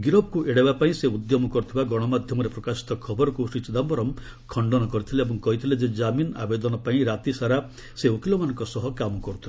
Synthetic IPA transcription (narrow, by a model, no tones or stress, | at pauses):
ɡiɾɔb̚kuʔeɽebapaĩseud̪jɔmɔkɔɾut̪ʰibaɡɔɽ̃ɔmad̪ʱjɔmɔɾepɾɔkasi̥t̪ɔkʰɔbɔɾɔkusit͡ʃɔd̪ambɔɾɔm | kʰɔɳɖɔnɔkɔɾit̪ʰileebɔŋkɔɦit̪ʰiled͡ʒed͡ʒamina̰bed̪ɔnɔpaĩɾat̪isaɾa | seokilɔmanɔŋkɔsɔɦɔkamɔkɔɾut̪ʰile